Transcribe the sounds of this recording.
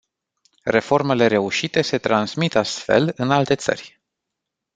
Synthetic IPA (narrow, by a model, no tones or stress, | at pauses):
re̞fo̞rme̞le̞ɾe̞uʃit̪e̞se̞t̪ɾansmit̪ast̪fe̞̰lɨnalt̪e̞t̪sə̰rʲ